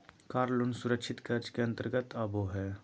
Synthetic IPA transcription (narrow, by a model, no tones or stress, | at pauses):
kaːɾlunsʊɾəkʃʰɪt̪kɐɾd͡ʒkeɐ̃nt̪əɾɡət̪aːboɦɛː